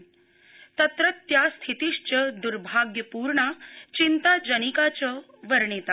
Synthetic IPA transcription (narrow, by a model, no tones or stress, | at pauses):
t̪ət̪ɾət̪ːjast̪ʰit̪iʂt͡ɕəd̪uɾbʱaɡjəpuːɾɳat͡ɕint̪ad͡ʑənikat͡ɕə | ʋəɾɳit̪a